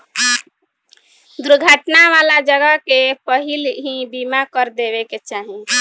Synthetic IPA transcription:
d̪uɾɡʱaʈnaʋalad͡ʒəɡəkepəɦilɦĩbimakəɾd̪eβeket͡ʃaɦi

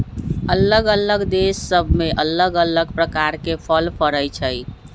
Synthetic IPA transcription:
ələɡələɡd̪esːəbʱmeʔələɡələɡpɾəkaɾkepʰəlpʰəɾəjt͡ʃʰəj

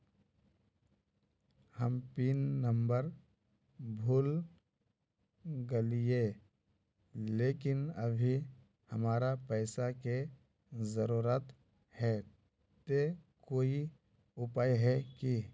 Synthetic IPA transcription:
həmpiːnːə̃mbəɾ | bʱuːl | ɡəlije | leːkɪnɐbʱi | hɐmaːɾapɛɪsake | zəɾuːɾət̪ | hɛ | t̪ekoːi | ʊpaːjɦɛki

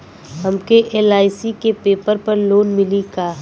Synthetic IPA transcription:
ɦɐmkeʔeːlaːɪsikepeːpəɾpɐɾloːnmɪlikaː

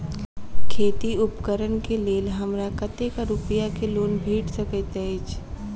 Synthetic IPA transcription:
kʰeːt̪iʊpkəɾənkeleːlɦɐmɾakɐt̪ekaɾʊpɪjakeloːnbʱiːʈsɐkət̪eɪt͡ʃ

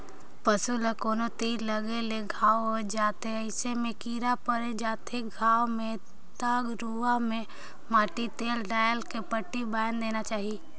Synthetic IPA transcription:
pəsulekoːnot̪iːɾləɡeleɡʱaːʋɦod͡ʒaːt̪eəɪsemẽkiːɾapəɾed͡ʒaːt̪eɡʱaːwmẽ | t̪aːɡɾuamẽ | maːʈit̪eːlɖaːjəlkepəʈːibaːjnd̪eːnat͡ʃaːɦie

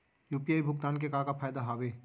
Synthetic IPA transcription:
juːpijaːibʱʊɡ̚t̪aːnk̬ekaːkapʰaːjd̪aɦaːweː

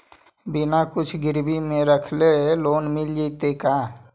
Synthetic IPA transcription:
bɪnakʊt͡ʃʰɡɪɾbimẽɾəkʰleloːnmɪld͡ʒit̪eka

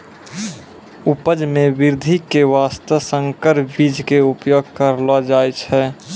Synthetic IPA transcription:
upəd͡ʒmẽʋɪɾd̪ʱikeʋaːst̪əsəŋkəɾbid͡ʒkeupjoɡ̚kəɾlad͡ʒaːjt͡ʃʰɛ

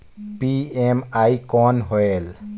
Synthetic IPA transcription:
piemaikɔnɦoel

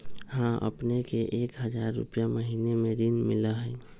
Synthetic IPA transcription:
hãʔə̰pnekeʔekɦəd͡ʒaɾːṵpjaməɦinemeɾinmiləɦəj

